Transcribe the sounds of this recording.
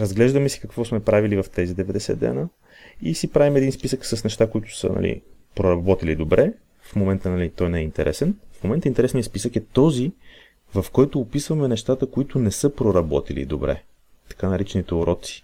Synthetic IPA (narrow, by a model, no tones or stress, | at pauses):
ɾəzɡlɛʒd̪əmɛsi̥kɐkvɔsmɛpɾavilivɐft̪ɛzid̪ɛvɛd̪ɛsɛ̰d̪ːɛ̰nə | isipɾavimɛd̪inspisəksəsnɛʃt̪akoit̪ʊ̥sə̰nɐ̰lḭ | pɾoɾɐbɔt̪ilid̪obɾɛ | fmomɛnt̪ənɐlit̪ɔjnɛint̪ɛɾʔɛ̰sɛnfmomɛnt̪əint̪ɛɾɛsnijəspisəkɛt̪ɔzi | vɐfkɔjt̪ʊːpisvɐmɛnɛʃt̪at̪əkoit̪ʊnɛsɤpɾoɾɐbɔt̪ilḭd̪obɾɛ̰ | t̪ɐ̥kanɐɾit͡ʃɛnit̪ɛʊɾɔt̪si̥